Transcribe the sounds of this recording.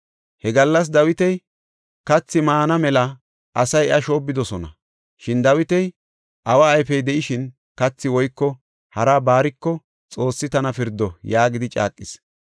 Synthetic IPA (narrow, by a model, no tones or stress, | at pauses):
hɛɡɐlːɐs̬d̪ɐwɪt̪ɛj | kɐt͡sːɪmaːnɐmɛlɐ | ʔɐsɐjɪʔɐʃo̞ːbːɪd̪ɔsɔnɐ̰ | ʃɪnd̪ɐwɪt̪ɛj | ʔɐwaːjfɛjd̪ɛʔɪʃɪn | kɐt͡sːɪwɔjkːɔ | hɐɾabaːɾɪkːɔ | t͡sʼo̞ːsːɪt̪ɐnɐfɪɾd̪ːɔjaːɡɪd̪ɪt͡ʃʼa̰ːkʼːɪs